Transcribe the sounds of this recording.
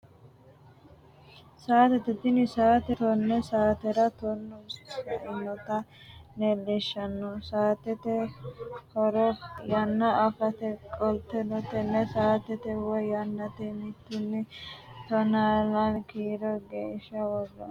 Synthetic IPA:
saːt̪ɛt̪ɛt̪ɪnɪsaːt̪ɛt̪ɔnːɛsaːt̪ɛɾɐt̪ɔnːɔɐɪnːɔt̪ɐ | nɛlːɪʃːɐnːɔsaːt̪ɛt̪ɛ | hɔɾɔjɐnːɐɐfɐt̪ɛkʼɔlt̪ɛnɔt̪ɛnːɛsaːt̪ɛt̪ɛwɔjɐnːɐt̪ɛmɪt̪ːɪnːɪt̪ɔnaːlɐnɛkiːɾɔɡeːʃːɐwɔdːɐ̰

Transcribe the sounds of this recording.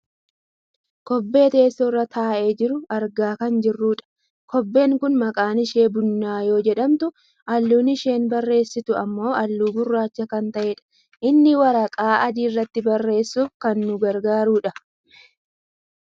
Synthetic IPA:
kɔbːe̞ːt̪e̞ːsːɔrːɐt̪ʰaːʔeːd͡ʒɪɾʊɐɾɡaːkɐnd͡ʒɪrːuːᶑɐ̥ | kɔbːe̞ːŋkʊnmɐkʼaːnɪʃe̞ːbʊnːaːjo̞ːd͡ʒɛᶑɐmt̪ʊ | ʔɐlːuːnɪʃe̞ːnbɐrːe̞ːsːɪt̪ʊɐmːo̞ːɐlːuːɡʊrːaːt͡ʃːɐkɐnt̪ɐʔeːᶑɐ̥ | ʔɪnːɪwɐɾɐkʼaːʔɐd̪iːrːɐt̪ːɪbɐrːe̞ːsːuːfkɐnːʊɡɐɾɡaːɾuːᶑɐ

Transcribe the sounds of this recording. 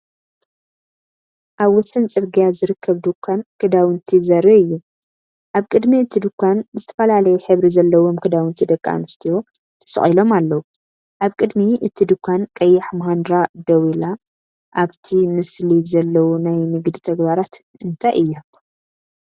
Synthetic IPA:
ʔaβwɔsɐnt͡sʼɨβɡijazɨɾɨkʰːɐβd̪ɨkʰʷːankʰɨd̪awɨnt̪ʰizɐɾiɨjːu | ʔaβkʼɨd̪miɨt̪ʰid̪ɨkʰʷːanzɨt̪ʰɐ̥fɐlalɐjuħɨβɾizɐlːɐwo̞mkʰɨd̪awɨnt̪ʰid̪ɐkʼːa̰nɨst̪ʰijo̞ | t̪ʰɐ̥sɨ̰χʼilo̞malːɐwu | ʔaβkʼɨd̪miʔɨt̪ʰid̪ɨkʷʰːankʼɐjːaħmɐɦand̪ɾad̪ɐwila | ʔaβt̪ʰimɨslizɐlːɐwunajnɨɡd̪it̪ʰɐɡbaɾat̪ | ɨnt̪ʰaʔɨjːa

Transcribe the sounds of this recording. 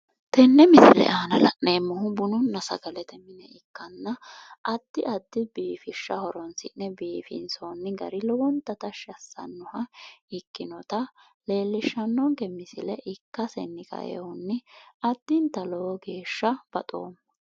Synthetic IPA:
t̪ɛnːɛmɪsɪ̰lɛ̰ʔaːnɐlɐʔneːmːʊɦʊbʊnʊnːɐsɐ̰ɡɐlɛt̪ɛmɪnɛ̰ɪkːɐnːɐɐd̪ːɪɐd̪ːɪbiːfɪʃːɐhɔɾɔnsɪ̰nːɛbiːfɪ̰nsonːɪɡɐ̰ɾɪlɔwɔnt̪ɐt̪ɐʃɐsːɐ̰nːʊhɐɪkːɪnɔt̪ɐ | le̞ːlːɪʃːɐnːɔŋkɛmɪsɪlɛʔɪkːɐsɛ̰nːɪkɐ̰jɛ̰hʊnːɪɐd̪ːɪnt̪ɐlɔwɔɡe̞ːʃːɐb̥ɐt̪ʼo̰ːm

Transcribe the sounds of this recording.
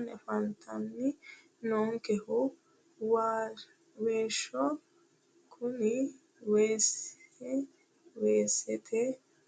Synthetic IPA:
nefant̪ʰanːi | noːŋkeho | wa | weːʃo | kʰuni | wese | weːset̪ʰe

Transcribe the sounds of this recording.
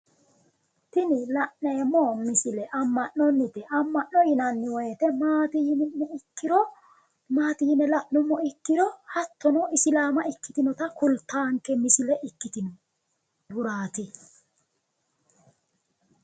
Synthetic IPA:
t̪ɪnɪlaʔnɛːmːɔmɪsɪlɛʔamːaʔnɔnːɪt̪ɛʔamːɐʔːɔɪnanːɪwɔjɛt̪ɛmaːt̪ijinɪmɔɪkːɪɾɔ | maːt̪ijɪnɛlaʔnɔmːɔɪkːɪɾɔhɐt̪ːɔnɔɪsɪlaːmaɪkːɪt̪ɪnɔt̪akʊlt̪aːŋkɛmɪsɪlɛʔɪkːɪt̪ɪnɔ | d̪ʊɾaːt̪i

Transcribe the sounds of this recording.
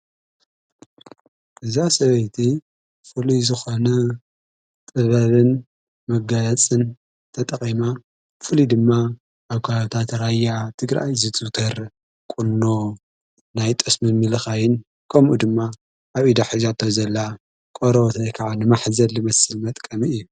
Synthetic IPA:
ʔɨzasɐβɐjt̪ʰi | fɨluzɨxo̞nɐ | t̪ʼɨβɐβɨn | mɐɡɐɐt͡sʼɨn | t̪ʰɐt̪ʼɐχʼima | fɨlid̪ɨmːa | ʔaβkʰat̪ʰat̪ɾajat̪ʰɨɡɾa̰jzɨt̪ʼut̪ʰɐɾ | kʼunːo | najt̪ʼɐsmɨmɨlɨxajɪn | kʰɐmʔud̪ɨmːa | ʔaβid̪aħizat̪ʰːɐzɐlːa | kʼoɾɐβot̪ʰɐjkʰaʕanɨmaħzɐlːɨmɐsɨlmɐt̪ʼkʼɐmiʔjːu

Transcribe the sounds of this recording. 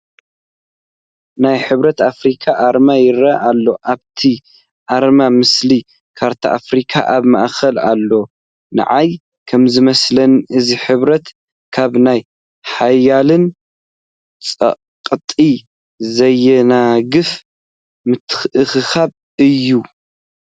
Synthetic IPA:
najħɨβɾɐt̪afɾikʰaʔaɾmajɪɾaʔalːo̞ʔaβt̪ʰi | ʔaɾmamɨsli | kʰaɾt̪ʰa̰ʔa̰fɾikʰa̰ʔaβma̰ʔxɐla̰lːo̞ | nɨ̰ʕaj | kʰɐmzɨmɐslɐnɨziħɨβɾɐt̪ | kʰaβnaj | ħajalɨn | t͡sʼɐ̰ | qʼɨt̪ʼi | zɐjɛnaɡɨf | mɨt̪ʰːɨ̥ʔɨxɨxaβ | ɨjːu

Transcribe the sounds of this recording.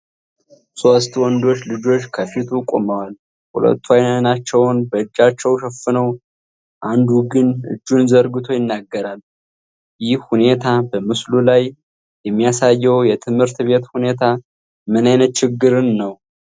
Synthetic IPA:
so̞st̪wɔnd̪o̞t͡ʃːlɨd͡ʒo̞t͡ʃkʰəfit̪ʰukʼo̰məwal | hṵlə̰t̪ːwajnnat͡ʃːɛwnbəɨd͡ʒːat͡ʃːɛwʃɛfɨnəw | ʔand̪uɡɨnɨ̰d͡ʒːunzəɾɡɨt̪ʰo̞jɪnːaɡːəɾalː | jɪhhune̞t̪ʰabəmɨslulaj | jɛmːijasajːɛwjɛt̪ʰɨmhɨɾt̪be̞t̪hune̞t̪ʰa | mɨnajnət̪̚t͡ʃɪɡːɨɾɨnːəw

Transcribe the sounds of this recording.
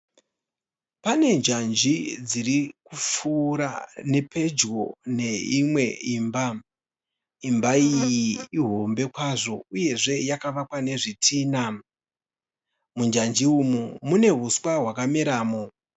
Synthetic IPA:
pane̞ɲd͡ʒand͡ʒid͡zirikufuɾane̞pʰe̞d͡ʒɣo̞ne̞imwe̞iːmba | imbaijiiɦo̞mbe̞kwaʐo̞uje̞ʐe̞jakaʋakwane̞ʐitʰiːna | mund͡ʒand͡ʒiumumune̞ɦuswaɦwakamiɾaːmo

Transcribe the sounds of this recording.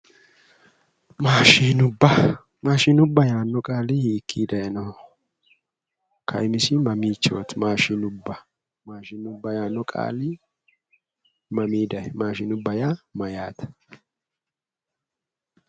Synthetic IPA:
maːʃiːnʊbːɐ | maːʃɪnʊbːɐjaːnːɔkʼaːlɪhiːkːiːd̪ɐjɐnɔ | kʰɐ̰jmɪsɪmɐmiːt͡ʃːoːt̪maːʃinʊbːɐ | maːʃɪːnʊbːɐjaːnːɔkʼa̰ːlɪ | mɐmiːd̪ɐjɛmaːʃɪːnʊbːɐjamɐjaːt̪ɐ̥

